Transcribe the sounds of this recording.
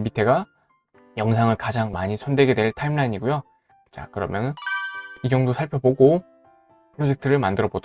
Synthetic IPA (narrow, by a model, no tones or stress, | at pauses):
bitʰe̞ɡa | jʌŋsʰaŋɯɭkad͡ʑaŋmaɲisʰondwe̞ɡe̞dwe̞ɭtʰaimɭaiɲiɡujo | t͡ɕa̰kɯɾʌmjʌnɯnid͡ʑʌŋdosʰaɭpʰjʌboɡo | pʰɯɾod͡ʑe̞k̚tʰɯɾɯɭmandɯɾʌbod